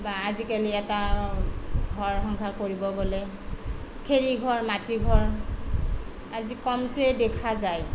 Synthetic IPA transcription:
baːzikaliɛta | ɡʱɔɹxɔŋkʰakoɹibɔɡolɛ | kʰeɹiɡʱɔɹmatiɡʱɔɹ | azikɔmtʊɛdɛkʰazaj

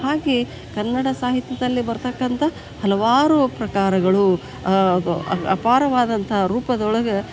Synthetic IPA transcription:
haːɡe | kɐnːɐɽɐsaːɦit̪jɐd̪ɐlːibɐɾt̪ɐkːɐnt̪ʰɐ | hɐlɐʋaːɾupɾɐkaːɾɐɡɐɭu | d̪uɐpaːɾɐʋaːd̪ɐnt̪ʰɐɦɐɾuːpɐd̪ɐɔɭɐɡɐ

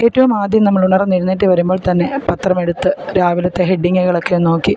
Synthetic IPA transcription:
e̞ːtːɐʋumaːd̪jɐmnɐmːɐɭuɳɐrɐniɾunːiʈːɨʋɐɾumbo̞ːɭt̪ɐnːe̞pɐt̪rɐme̞ɽut̪ːɨɾaːʋilɐt̪ːe̞ɦeɖːiŋːɐɣɐɭo̞kːejono̞ːkːi

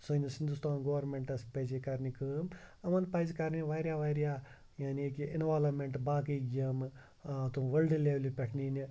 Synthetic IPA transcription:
sonisind̪ust̪aːnɡoːʋɐɾmeɳʈɐspɐjd͡ʒekɐɾnikɨmɐmɐnpaːzikaɾniʋaːɾʲjaːʋaɾʲjaː | jaːniekiinʋaːlɐmeɳʈbaːkiɡijɐm | t̪uʋɐlɖleʋlipʲeʈʰnini

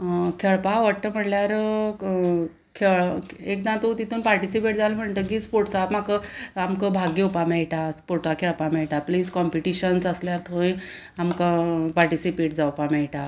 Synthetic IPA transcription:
kʰeɭpaʋəʈt̪əm̤əʈljaɾ | kʰeɭek̚d̪ãt̪ot̪it̪ʰuːnpaɾʈisipeʈd͡zalm̤əɳt̪ək̬iːspoɾʈsapmakəamkəbʱaɡeupameɭʈaspoɾʈakʰeɭpamɛɭʈapliːskɔmpiʈiɕənsəsljaɾt̪ʰəʋ̃j | amkapaɾʈisipeʈd͡zawpamɛɭʈa

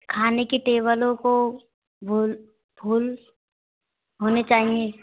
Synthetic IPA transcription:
kʰaːnekiʈeːβəlõko | bʱul | bʱuːl | ɦoːnet͡ʃaːɦĩe

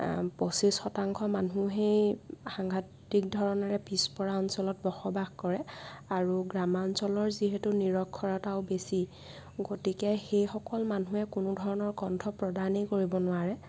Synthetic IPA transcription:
posisxɔtaŋkʰɔmanuɦejxaŋɡʱat | ik̚dʱɔɹɔnɔɹɛpispɔɹaɔnsɔlɔt̚bɔxɔbaxkɔɹɛaɹuɡɹamansɔlɔɹziɦetuniɹɔkʰːɔɹɔtaʊbesi | ɡotikɛxejxɔkɔlmanuɛkʊnʊdʱɔɹɔnɔɹɡɔntʰɔpɹɔdanekoɹibɔnʊwaɹɛ

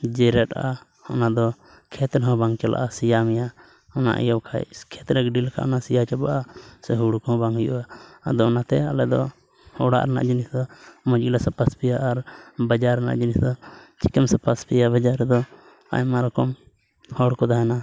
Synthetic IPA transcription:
d͡ʒɛɾɛʈaʔa̰ | ɔnad̪ɔ | kʰɛt̪ɾɛɦɔ̃baŋt͡ʃɛla̰ʔasijamja | ɔna̰ʔjɔwkʰa̰kʰɛt̪ɾɛkɛɖilkʰa̰ʔɔnasijat͡ʃabaʔasɛɦuɽukɔɔ̃baŋujṵʔad̪ɔɔnat̪ɛalɛd̪ɔ | ɔɽa̰ʔɾɛna̰ʔd͡ʒinisd̪ɔmɔd͡ʒɡilasapaspijaʔːɾbad͡ʒaɾɛna̰ʔd͡ʒinisd̪ɔt͡ʃi̥kɛmsapaspijabad͡ʒaɾɛd̪ɔ | a̰jmaɾɔkɔm | hɔɽkɔd̪aɦɛna

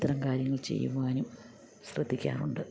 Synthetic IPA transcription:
t̪ːɐɾɐmkaːɾjɐŋːɐɭt͡ɕe̞̰jːṵʋaːnum | ɕrɐ̰d̪ʱːikʲːa̰ːnuɳɖɨ

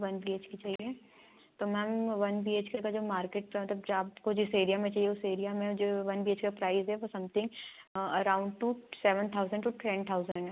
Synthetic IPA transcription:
ʋɐnbieːt͡ʃkit͡ʃaːɦie | t̪omɛ̃ɦmʋɐnbieːt͡ʃkekad͡ʒoːmaːɾkeːʈ̚mɐt̪ləbd͡ʒaːpkod͡ʒɪseːɾijamẽt͡ʃaːɦieʊseːɾijamẽd͡ʒoːʋɐnbieːt͡ʃkapɾaːɪzɦɛʋosɐ̃mt̪ʰɪ̃ŋɡɐɾaːʊ̃ɳɖʈuseːʋə̃nt̪ʰaʊzə̃ɳɖʈuʈʰɛ̃nt̪ʰaʊzə̃ɳɖ

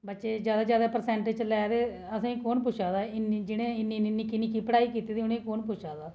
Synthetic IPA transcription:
bətːʃeːd͡ʒjaːd̪aːd͡ʒjaːd̪aːpəɾsɛ̃ːɳʈɪd͡ʒt͡ʃlɛːd̪eː | əsãːĩːkoːnp̬ʊʃʰaːd̪aːɪnĩːd͡ʒɪɽẽːɪniːnːnːiːkɪniːkiːpəɽaːiːkiːt̪iːd̪iʊnẽːkoːnpʊʃʰaːd̪aː

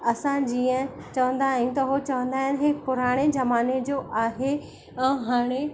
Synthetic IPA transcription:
ɐsãd͡ʑiːə̃ | t͡ɕɐʋə̃nd̪aːɦũt̪ɐɦot͡ɕɐʋə̃nd̪aːɦɪnɦɪkpʊɾaːɽ̃ezɐmaːned͡ʑoːʔaːɦe | ɛ̃ɦaːɽ̃e

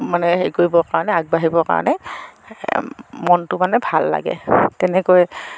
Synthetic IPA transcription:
manɛɦejkoɹibɔkaɹɔnɛaɡ̚baɦibɔka̰ɹɔ̰nɛ | mɔntʊmanɛbʱalːa̰ɡɛ̰tɛnɛkoj

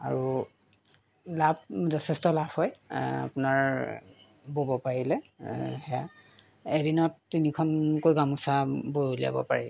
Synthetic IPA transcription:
a̰ɹu | lab̚zɔtʰɛstɔlabhɔja̰punaɹ | bobɔpaɹilɛhɛja | edinɔtːinikʰɔnkojɡamusabojolia̰bɔ̰pa̰ɹil

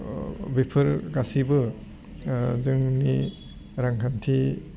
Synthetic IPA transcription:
bipʰɯɾɡasibɯ | zɯŋni | ɾaŋkʰantʰi

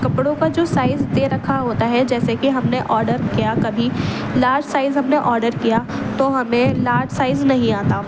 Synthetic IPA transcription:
kɐpɽõkad͡ʒoːsaːɪzd̪eɾɐkʰaɦoːt̪aɦɛd͡ʒɛːsekiɦɐmneʔɔːɾɖəɾkijakɐbʱi | laːɾd͡ʒsaːɪzɦɐmneʔɔːɾɖəɾkijat̪oːɦɐmẽlaːɾɖsaːɪznɐɦĩaːt̪a

